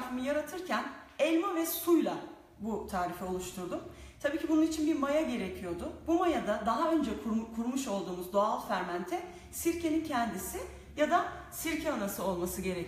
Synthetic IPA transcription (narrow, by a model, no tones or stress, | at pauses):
amɯjaɾat̪ʰɯɾcʰænɛlʲmavɛsujlˠa | but̪ʰaːɾifɛo̞lˠuʃt̪ʰuɾd̪um | t̪ʰabiːcʰibununit͡ʃʰinbiɾmajaɟe̞ɾecʰijo̞d̪ʊbumajad̪ad̪aɦaø̞nd͡ʒɛkkʰuɾmuʃo̞lˠd̪uːmuzd̪o̞alˠfæɾmænt̪ʰɛ | siɾcenincʰɛnd̪isɪ | jad̪a | siɾcʰɛanasɯo̞lˠmasɯɟe̞ɾec